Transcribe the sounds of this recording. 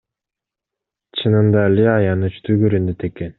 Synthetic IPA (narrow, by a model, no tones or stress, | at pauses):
t͡ʃʰɯnɯnd̪alʲiɑjɑnɯt͡ʃt̪ʰyɡøɾynd̪et̪ʰekːen